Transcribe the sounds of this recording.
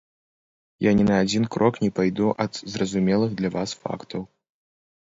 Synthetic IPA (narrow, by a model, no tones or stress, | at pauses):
janʲɛnɐːd͡zʲinkɾʔɔknʲɛpajd̪uʔɐd̪zrɐzumʲɛlˠɨɣd̪lʲɐvasfa̰kt̪ʰɐw